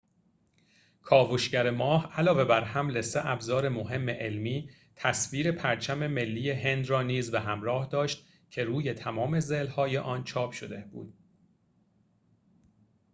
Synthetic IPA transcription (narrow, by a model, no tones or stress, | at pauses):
kʰɒːvoʃɟæɾemɒːhælɒːve̞bæɾhæmle̞seʔæbzɒːɾe̞moɦe̞mːe̞ʔelmiː | t̪ʰæsviːɾe̞pʰæɾt͡ʃʰæme̞me̞lːiːje̞ɦe̞nd̪rɒːniːzbeɦæmɾɒːhd̪ɒːʃt̪̚ | cʰe̞ɾuːje̞t̪ʰæmɒːme̞zeːlhɒːjeʔɒːnt͡ʃʰɒːpʃod̪e̞bṵːd̪̥